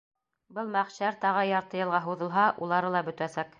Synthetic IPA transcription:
bɤlˠmæχɕæɾt̪ɑʁɤjɑɾt̪ɤ̆jɤ̆lˠʁɑɦuðɤ̆lˠɦɑʔulˠɑɾɤlˠɑbɵ̆t̪æsæk

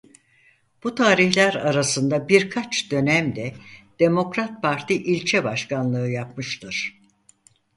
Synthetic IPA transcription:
b̥ut̪ʰaːɾiçlʲæɾaɾasɯnd̪abiɾkʰat͡ʃd̪ø̞næmd̪ɛd̪̥e̞mo̞kɾat̪̚pʰaɾt̪ʰiʔilʲt͡ʃʰɛbaʃkanlˠɯɯjap̚mɯʃt̪ʰɯɾ̥

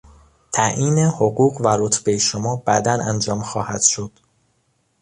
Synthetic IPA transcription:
t̪ʰæʔiːnehoɣuːɢvæɾot̪ʰbejeʃomɒːbæd̪ænænd͡ʒɒːmxɒːhæd̪̥ʃo̞d̪̥

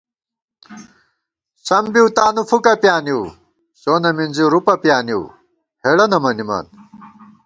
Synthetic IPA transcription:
sɐmbiwt̪aːnufʰukɐpjaːni | soːnɐminziɾupɐpijaːniw | heɽɐnɐmɐnima̰ːn

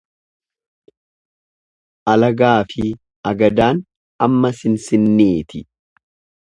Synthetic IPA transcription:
ʔɐlɐɡaːfɪ | ɐɡɐd̪aːn | ɐmːɐsɪnsɪnːeːt̪ʰɪ

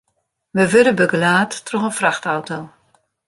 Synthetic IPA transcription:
məʋøɾəbøɡəlaːtːrɔχənfraxtawtow

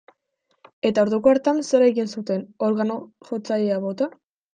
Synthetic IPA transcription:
e̞t̪aoɾðukoaɾt̪anseɾeɣinsut̪e̞no̞ɾɣano̞ | ʝo̞t͡saʎeaβo̞t̪a

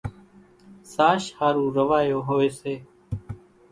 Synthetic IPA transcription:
saːʃhaːɾuːɾəʋaːjoːɦoːeːseː

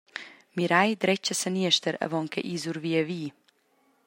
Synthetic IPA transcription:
miɾajd̪ɾɛt͡ʃəsəniəʃt̪əɾɐ̰vɔŋkʰɛ̰ʔiːzuɾviəviː

